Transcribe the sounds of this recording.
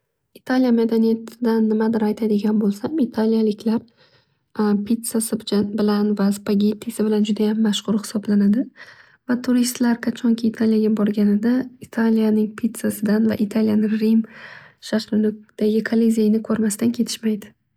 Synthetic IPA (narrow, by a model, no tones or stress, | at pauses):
it̪ʰalijamad̪anijat̪ʰɪd̪anːɪmad̪ɪɾajt̪ʰad̪ɪɡʲanbolˠsamit̪ʰalijalɪkʲʰlaɾ | pʰit̪sasɪbɪlanvaspaɡʲet̪ʰːisɪbɪland͡ʒʊd̪ajamːaʃχʊɾhɪ̥sɒblanad̪ɪ | vat̪ʰʊɾist̪laɾqʰɑt͡ʃʰɒŋkʲʰɪːt̪ʰaljaɡʲabɒɾɡʲanɪd̪ait̪ʰalijanɪŋpʰit̪sasɪd̪anva̰ʔɪt̪ʰaljanɪŋɾimʃaʃɾɪnʊd̪̥aɡʲɪkʰolezejnɪkʰɵɾmasd̪ankʲʰe̞t̪ʰɪ̥ʃmajd̪ɪ